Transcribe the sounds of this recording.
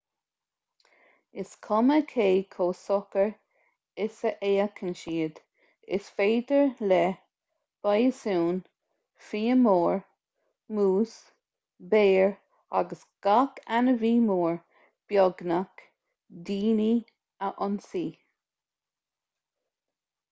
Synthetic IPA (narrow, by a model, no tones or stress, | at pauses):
ɪskʰɔməkʰeːkʰoːsɔkəɹ | ɪsəʔeːəkʰənʃiːəd̪ | ɪ̰sfeːd̪əɹlɛ | b̥ajəsuːn | fiːəmoːɹ | muːs | beːɹ | a̰ɡəsɡ̥akʰanəviːmoːɹ | b̥jɔɡnak | d̪iːni | əʔɔnsiː